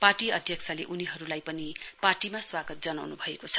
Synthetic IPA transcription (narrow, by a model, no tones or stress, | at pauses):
parʈiʌd̪ʱjʌkt͡sʰʌleʔuniɦʌɾulajpʌniparʈimaswaɡʌt̪̚d͡zʌnawnubʱʌekot͡sʰʌ̥